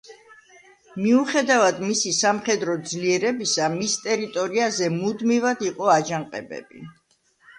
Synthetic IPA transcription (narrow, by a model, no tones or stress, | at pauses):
miuχɛd̪avad̪misisamχɛd̪ɾɔd̪zliɛɾɛbisamist̪ʼɛɾit̪ʼɔɾiazɛmud̪mivad̪iqʼɔad͡ʒaŋqʼɛbɛ̰bḭ